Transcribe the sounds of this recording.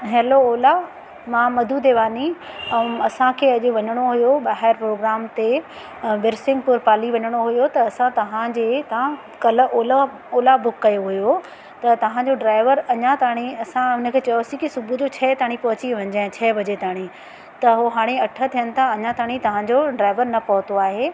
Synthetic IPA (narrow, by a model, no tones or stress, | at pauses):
ɦeːlooːla | mãːmɐd̪ʱud̪eːʋaːni | ɐsãkʰeːɐʄʊʋɐɲəɽ̃oɦujoɓaːɦɪɾpɾoːɡɾaːmt̪e | ʋɪɾsɪ̃ŋɡpʊɾpaːliʋɐɲəɽ̃oɦujot̪ɐːsãt̪ɐʋ̤ãd͡ʑeːt̪ɐã | kɐlə̆ʔoːla | oːlabʊkːɐjoɦʊjo | t̪ɐt̪ɐʋ̤ãd͡ʑoɖɾaːɪʋəɾɐɲãt̪aːɽ̃iɐsãɦʊnə̆kʰeːt͡ɕɐjosĩkisʊbʱud͡ʑot͡ɕʰɛːt̪aːɽ̃ipɐɦʊt͡ɕiʋɐ̃ɲ̆d͡ʑaːɪ̃t͡ɕʰɛːbʱɐd͡ʑet̪ʰaːɽ̃i | t̪ɐɦoɦaːɽ̃eɐʈʰə̆t̪ʰijənɪ̆t̪ʰaɐɲãt̪ʰaːɽ̃it̪ɐʋ̤ãd͡ʑoɖɾaːɪʋəɾnɐpɐɦʊt̪oaːɦeː